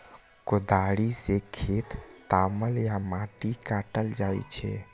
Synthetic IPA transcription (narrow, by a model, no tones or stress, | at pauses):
kod̪aɽisekʰet̪ːaməljamãʈikaʈəld͡ʒaj̰t͡ʃʰɛ̰